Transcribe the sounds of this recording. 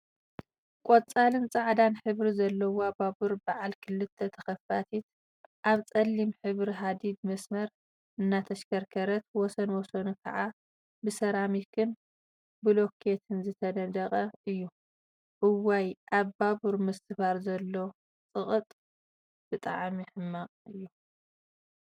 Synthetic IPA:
kʷʼot͡sʼalɨnt͡sʼaʕd̪anħɨβɾizɐlːɐwoababuɾbaʕalkʰɨlːɨt̪ʰːɐt̪ʰɐxɐfat̪ʰit̪̚ | ʔaβt͡sʼɐlːimħɨβɾiɦad̪id̪mɐsmɐɾ | ʔɨnːat̪ʰɐʃkʰɐɾkʰɐɾɐt̪wɔsɐnwɔsɐnukʰɐ̰ʕa | bɨsɐɾamikʰɨn | bɨlo̞kʰet̪ʰɨnzɨt̪ʰɐnɐd̪ɐqʼɐɨjːu | ʔɨwajʔaβbaβuɾmɨst̪ʰɨfaɾzɐlːo̞ | t͡sʼɨχʼɨt̪ʼ | b̥ɨt̪ʼa̰ʕmiħɨmːaqʼɨjːu

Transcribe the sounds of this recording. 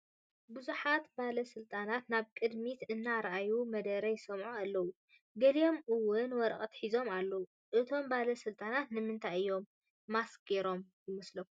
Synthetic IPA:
buzuħat̪balɐsɨlt̪ʼanat̪naβkʼɨd̪mit̪ɨnːaɾʔajumɐd̪ɐɾɐjsɐmʕualːɐwu | ɡɐlijo̞mʔɨwːʊnwɔɾkʼɐt̪ħizo̞malːɐwu | ʔɨt̪ʰo̞mbalɐsɨlt̪ʼanat̪nɨmɨnt̪ʰajɨjːo̞mː | asɡeɾo̞m | jɪmɐslɐkːuu

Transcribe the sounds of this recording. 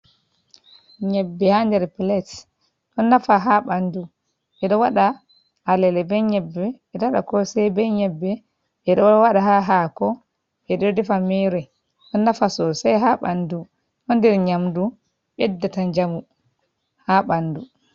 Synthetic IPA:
ɲɛbːɛhandɛɾplɛt | ɗɔnːafaɦaɓandu | ʔɛɗɔwaɗa | alɛlɛbɛɲɛbːɛɛɗɔaɗa̰kɔsɛjbɛɲɛbːɛ | ʔɛɗɔwaɗaɦaɦakɔ | ʔɛɗɔdɛfamɛɾɛ | ɗɔnːafasɔsajɦaɓa̰ndu | ɗɔndɛɾɲamdu | ɓɛdːataɲd͡ʒamu | haɓandu

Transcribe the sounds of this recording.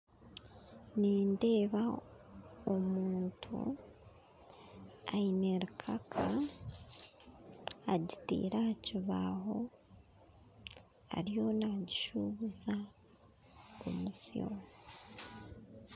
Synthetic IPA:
niːnde̞ːβa | omuːntʰṵ | aineɾikʰakʰa | ɟitḭːɾahaciβaho̞ | a̰ɾijo̞naɟiʃuβuza | ko̰musio̰

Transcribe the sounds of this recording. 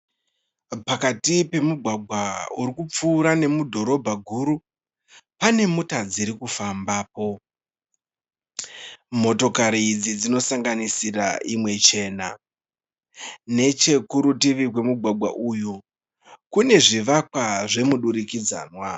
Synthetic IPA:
pakatipe̞muɡʱwaɡʱwauɾikup͡fuːɾane̞mudʱo̞ɾo̞bʱaɡʱuɾu | pane̞mutad͡ziɾikufambaːpo̞ | mo̞to̞kaɾiːd͡zid͡zino̞saŋɡanisira̰imwe̞t͡ʃe̞ːna̰ | ne̞t͡ʃe̞kuɾutiʋikwe̞muɡʱwaɡʱwa̰ʔuju | kune̞ʐiʋakwaʐe̞muɗuɾikid͡za̰ːnwa

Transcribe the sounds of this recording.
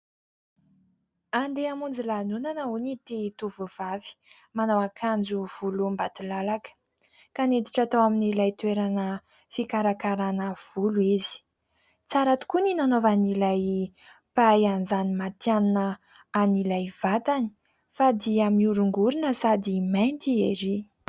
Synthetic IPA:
and̪eamund͡zilanunanəunit̪et̪uvuv̥avi̥ | manawakʰand͡zuv̥ulumbat̪ulalakə̥ | kaned̪iʈ͡ʂat̪awaminilajt̪ueɾanə | fikaɾakaɾanəv̥uluizi̥ | t͡saɾat̪u̥kuninanovanilaj | paajanzanimat̪janunə | anilajv̥at̪ani̥ | fad̪iamiuɾuŋɡuɾinəsad̪imajnt̪ieɾi

